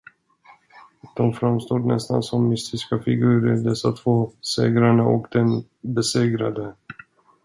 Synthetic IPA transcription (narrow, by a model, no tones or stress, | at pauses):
d̪̥ɔmfɾamst̪oːd̪ɳɛst̪a̰nsɔmːʏst̪ɪskafɪɡʉ̟ːɾəd̪ɛsːat̪ʰv̥oːsḛːɡɾaɳaʔɔkd̪ɛn | bɛseːɡɾa̰d̪ə